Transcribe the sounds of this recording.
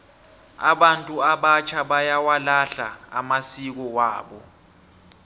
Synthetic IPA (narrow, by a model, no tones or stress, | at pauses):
a̰ɓantʼuaɓat͡ʃʰaɓajawalaɬa̰a̰masik̬ɔwaːɓɔ